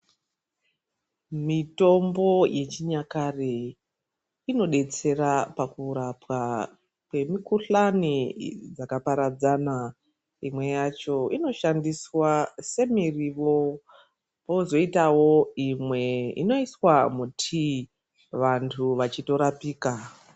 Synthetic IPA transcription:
mito̞mbo̞je̞t͡ʃiɲakare | ino̞ɗe̞t͡se̞rapakuɾapwa | kwe̞mikuɬanid͡zakapaɾad͡zana | imwe̞jat͡ʃo̞ino̞ʃandiswase̞miriʋo̞ | po̞zo̞itawo̞imwe̞ḭno̞iswamutʰi | ʋantʰuʋat͡ʃito̞ɾapiːka

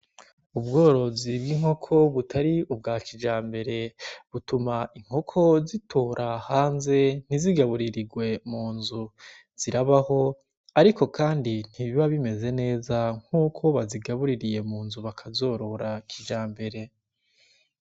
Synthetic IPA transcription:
ubɡo̞ːɾo̞zibɡiŋho̞kʰo̞βutʰaɾiub̚ɡaːkid͡ʒaːmbe̞ɾe̞βutumaʔiŋ̥ho̞kʰo̞zitʰoːɾʔahaːnze̞n̥iziɡaβuɾiɾiɡwe̞muːnzu | z̥iɾaβaho̞ | aɾiko̞kaːndin̥hiβiβaβime̞ze̞ne̞ːzaŋ̥huːkʰo̞βaziɡaβuɾiɾije̞muːnzuβakʰazo̞ːɾo̞ɾakʰid͡ʒaːmbe̞ɾe̞

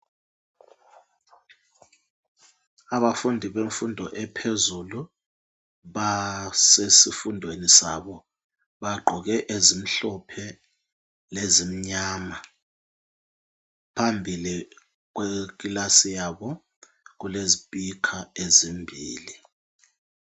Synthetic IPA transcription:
aβafundʱiβeɱfundʱɔʔɛpʰezulu | ɓasesifundʱwenisa̰ɓɔ | ɓaɡ͡ǃʱɔɣɛʔezim̩ɬɔpʰɛ | lezim̩ɲaːma | pʰambʱili | ɣ̬wek̬ilasijaβɔ | ɣ̬uleziɓikʰaezimbʱḭːli

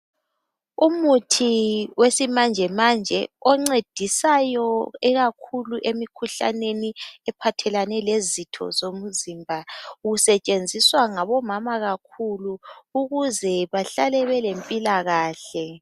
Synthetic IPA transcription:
umutʰiwesimand͡ʒʱɛmand͡ʒʱɛɔŋ͡ǀed̥ʱisajɔɛɣakʰuluʔemikʰuɬa̰neniɛpʰatʰɛlanɛlezitʰɔ̰zomuzimbʱauɣusɛt͡ʃʼend͡zʱiswaŋaβɔmamaɣakʰuluuɣuzɛβaɬalɛβɛlempʼilaɣaːɬɛ

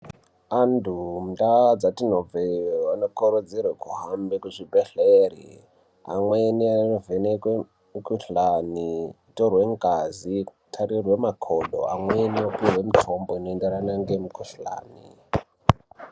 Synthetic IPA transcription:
andumudad͡zatinovewanokoɾod͡zirwekuɦambekuʐibʱeɬeri | a̰mwenianovenekwe | mukuɬani | torwe̞ŋɡazitʰarirwe̞makʰoɗo̰a̰mweniopirwe̞mitʰomboinoendeɾanaŋɡemikuɬa̰ːnḭ

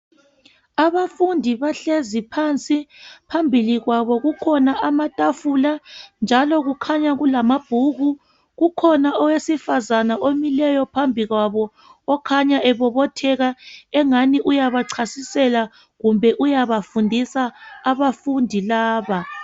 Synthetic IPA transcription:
aβafundʱiβaɬezipʰant͡sʼipʰambʱiliɣwaβɔɣukʰɔnaʔamatʼafuland͡ʒʱalɔɣukʰaɲaɣulamab̥ʱuɣu | ɣukʰɔnaɔwesifazanaʔomilɛjɔpʰambʱiɣwaβɔː | kʰaɲaʔɛβɔβɔtʰɛɣaɛŋaniʔujaβaǀʰasisɛla | ɣumbʱɛʔujaβafundʱisaːβafundʱilaːβa

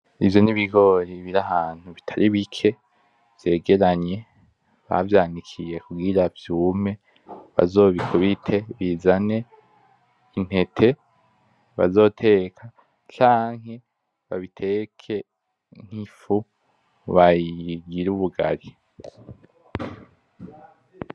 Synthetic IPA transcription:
ivjo̞niβiɡo̞ːɾiβiɾahaːn̥huβitʰaɾiβikʰe̞ | v̥je̞ːɡe̞ɾaɲe̞ | βa̰vjaːnikʰije̞kuɡiɾavjuːme̞ | βa̰zo̞ːβikʰuβitʰe̞βizane̞ | in̥he̞tʰe̞ | βa̰zo̞ːtʰe̞ːkʰa | t͡ʃaːŋ̥ɦe | βa̰βitʰe̞kʰe | ŋ̥hifu | βajiɡiɾuβuɡa̰ɾi

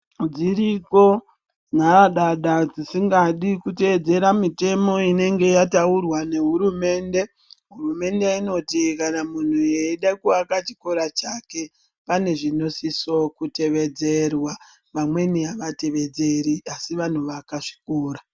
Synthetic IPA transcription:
d͡ziɾiko̞ | n̤araɗaɗad͡zisiŋɡaɗikute̞ed͡ze̞ɾamite̞mo̞ine̞ŋɡe̞jataurwane̞ɦuɾume̞ːnde̞ | ɦurume̞ndeino̞tikanamun̤ueiɗakuakat͡ʃiko̞ɾat͡ʃake̞ | pane̞ʐino̞siso̞kute̞ʋe̞d͡ze̞rwa | ʋamwe̞niaʋate̞ʋe̞d͡ze̞ɾiasiʋan̤uʋakaʂi̥koːra

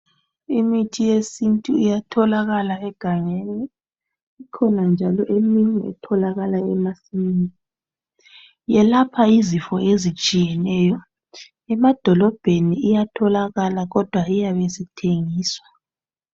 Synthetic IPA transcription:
imitʰijesintʼuijatʰɔlaɣalaɛɡ̥ʱaŋeniː | kʰɔnand͡ʒʱalɔʔemiŋɛ̰tʰɔlaɣalaɛmasini | jɛlapʰaizifɔezit͡ʃʼijɛnɛːjɔ | ɛmad̥ʱɔlɔb̥ʱeniijatʰɔlaɣalaɣɔd̥ʱwaijaβesitʰeŋiːswḁ

